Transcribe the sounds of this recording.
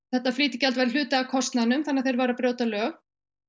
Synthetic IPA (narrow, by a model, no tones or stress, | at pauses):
θɛht̪ːafliːt̪ɪcɛlt̪vajɾɪl̥ʏːt̪aakʰɔst̪naðnʏmθanːaðθejɾvaɾapɾjoːwt̪alœːɣ